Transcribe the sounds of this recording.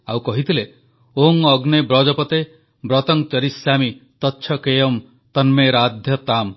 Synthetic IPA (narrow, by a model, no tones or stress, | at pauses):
awkɔɦit̪ile | oŋɔɡnebɾɔd͡ʒɔpɔt̪e | bɾɔt̪ɔŋt͡ʃʌɾisjamit̪ɔtːʃʰɔkejɔm | t̪ɔnmeɾad̪ʱjɔt̪am